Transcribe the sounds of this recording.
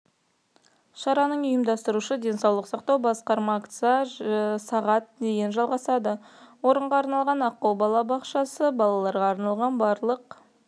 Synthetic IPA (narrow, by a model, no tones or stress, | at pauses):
ʃɑɾɑnəɴʊjəmd̪ɑst̪əɾuʃəd̪e̞nsɑwlˠəqsɑqt̪ɑwbɑsqɑɾmɑkt̪sɑsɑʁɑt̪̚d̪eɡʲenʒɑlˠʁɑsɑd̪əwo̞ɾəɴʁɑːɾnɑlˠʁɑnɑqːɑwbɑlˠɑbɑqʃɑsəbɑlˠɑlˠɑɾʁɑːɾnɑlˠʁɑnbɑɾlˠəq